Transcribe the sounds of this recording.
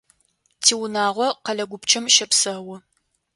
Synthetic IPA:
tʰiːwʊnaːʁʷɔqɐɮɐɡʷʊpt͡ʃʰɐmʃɐpsɐwʊ

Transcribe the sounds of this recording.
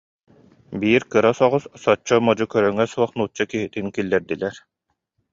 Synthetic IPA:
biːɾkɯɾasɔʁussɔt͡ɕːɔmɔd͡ʑukœɾœŋɛsuɔχnuːt͡ɕːakiɦit̪inkilːɛɾd̪ilɛɾ

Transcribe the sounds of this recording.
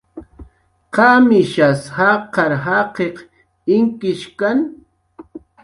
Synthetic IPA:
qɑmɪʃashɑqɑɾɦɑqeq | ɪŋkɪʃkan

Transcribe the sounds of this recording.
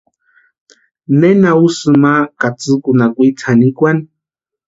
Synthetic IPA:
nenausɨmakat͡sɨkunakʷit͡sʰanikʷan

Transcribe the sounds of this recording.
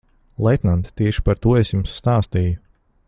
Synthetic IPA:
lˠɛt̪nant̪t̪ːiɛʃi̥paɾt̪uːɔesjumsːt̪aːst̪iju

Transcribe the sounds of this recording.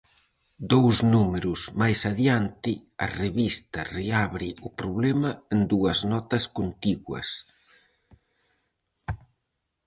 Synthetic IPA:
d̪owznumeɾuzmajsaðjant̪ɪɐ̰reβist̪ɐreaβɾɪupɾoβlɛmɐend̪uɐznɔt̪ɐskont̪iɣwɐ̰s

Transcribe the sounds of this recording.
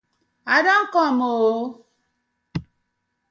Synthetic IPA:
adaŋ̩kɔamoo

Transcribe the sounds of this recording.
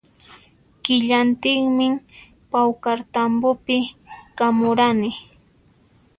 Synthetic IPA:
kɪʎant̪ɪχmɪ | pawkaɾt̪ambʊpɪkamʊɾanɪ

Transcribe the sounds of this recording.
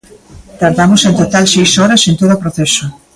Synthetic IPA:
t̪aɾðamosẽnt̪ot̪alsejsɔɾasent̪oðopɾoθɛso

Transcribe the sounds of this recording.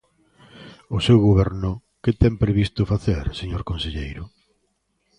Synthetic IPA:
ʊsewɣoβɛɾnʊ | ket̪ɛmpɾeβist̪ʊfaθeɾseɲoɾkonseʎejɾʊ

